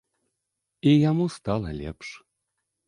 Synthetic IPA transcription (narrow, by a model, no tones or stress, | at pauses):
ijɑmust̪ɑlɑlʲḛpʃ